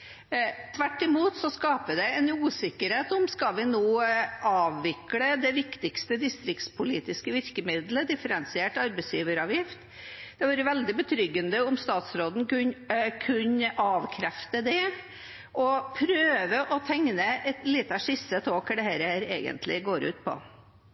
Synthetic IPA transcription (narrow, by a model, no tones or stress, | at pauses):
t̪ʰʋæʈːɪmuːt̪sɔskɑːpəd̪ɛɛnuːsɪkːəɾheːt̪ʊmskɑlʋɪnuːʔɑːʋːɪkɽəd̪ɛʋɪkt̪ɪkst̪əd̪ɪst̪ɾɪkt̪spʰʊliːt̪ɪskəʋɪɾkəmɪd̪ləd̪ɪfəɾɛnsɪeːʈɑɾbɛɪsjiːʋəɾɑʋjɪft̪ | d̪̥ɛʋɑːɾəʋɛld̪ɪbət̪ʰɾʏɡːənd̪əʊmst̪ɑːt̪sɾoːd̪n̩kʉnkʰʉɲɑːʋkʰɾæft̪əd̪ɛ | ʔɔpʰɾøːʋəʔɔt̪ʰɛŋnəɛt̪lit̪ːɑʂɪsət̪ʰoːkɖɛhæːɾəhæːɾḛːɡə̰nt̪ʰlɪ̰ɡoːɾʉ̰ːt̪̚pʰɔ̰